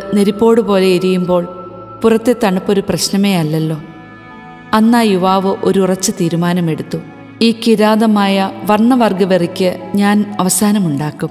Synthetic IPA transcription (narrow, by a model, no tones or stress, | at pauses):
neɾipːo̞ːɽɨpo̞ːle̞iɾijumbo̞ːɭ | purɐt̪ːe̞t̪ɐɳupːo̞ɾuprɐɕnɐmeːɐlːɐlːo̞ː | ɐnːaːjuʋaːʋɨʔo̞ɾːrɐt͡ɕːɨt̪iːɾumaːnɐme̞ɽut̪ːu | iːkiɾaːðɐmaːjɐʋɐrɳːɐʋɐrɡɐʋerikʲːɨɲaːnɐʋɐsaːnɐmuɳɖaːkːum